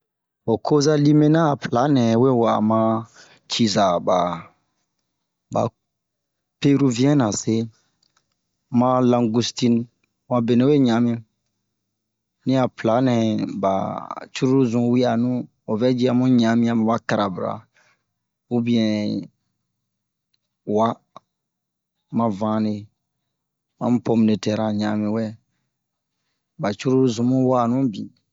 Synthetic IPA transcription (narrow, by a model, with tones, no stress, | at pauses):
o˨kʰo˦za˦li˦mẽ˦nã˦˨pla˨˦nɛ̃˨we˦˨wa̰˨mã˦ | t͡ʃi˨za˨ba˨ | ba̰˨ | pe˦ɾu˦vi˦ɛ̃˦nã˨se˦ | mã˦lã˨ŋɡu˦sti˦n | wã˨be˨nɛ̃˨˦we˦˨ɲã˨˦mĩ˧˦ | nĩ˦a˨pla˨˦nɛ̃˨ba̰˨t͡ʃu˦ɾu˦ɾzũ˨˦wi˦a˨nũ˦ | ɔ˨vɛ˦d͡ʒi˦a˨mũ˦ɲã˨˦mĩ˦a˨m̃˨wa˦ka˨ɾa˨bɾa̰˨ | u˦bĩ˦ɛ̃˨ | wa˦ | mã˨vãː˨˦ne˨ | mã˦m̩˦pɔ˨m˨ne˨tɛ˨ɾa˨ɲã˨mĩ˨wɛ˦ | ba˨t͡ʃu˦ɾu˦zũ˨mũ˦wa˦˨nũ˦bḭ̃˨